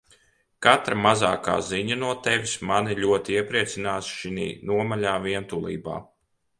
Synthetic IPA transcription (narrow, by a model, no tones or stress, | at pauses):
kat̪ɾamaza̰ːka̰ːziɲanuɔt̪ɛvismaniʎʲuɔt̪iiɛpɾiɛt̪sinaːsʃinḭːnuɔmaʎaːviɛnt̪ulˠḭːba̰ː